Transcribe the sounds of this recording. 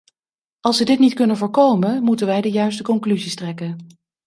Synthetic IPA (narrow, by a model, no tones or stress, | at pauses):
ɑlˠsʋədɪtnitkɵnənvʊːɹkowmənmutənʋɛjdəjœɥstəkɔŋklyzistrɛkən